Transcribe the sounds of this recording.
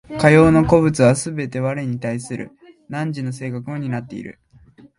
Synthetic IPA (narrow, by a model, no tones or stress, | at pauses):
kajo̞ːno̞ko̞bɯ̟t͡sɨβasɨbe̞t̪e̞βaɾeɲ̟it̪aisɨɾʔɯ̰ | nãɲ̟d͡ʑino̞s̬e̞ːkakɯ̟mo̞ɲ̟inat̪ːe̞ḭɾɯ̟̰